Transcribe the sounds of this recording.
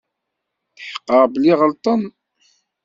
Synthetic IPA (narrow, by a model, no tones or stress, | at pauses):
θəħə̥qːəʁbəliʁəlt̪ˤən